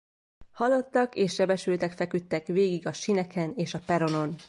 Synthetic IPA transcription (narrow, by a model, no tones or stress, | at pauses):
hɒlːo̞t̪ːɒkeːʃːɛbɛʃylt̪ɛkfɛkyt̪ːɛkʋeːɡiɡɒʃinɛkɛneːʃɒpɛɾo̞no̞n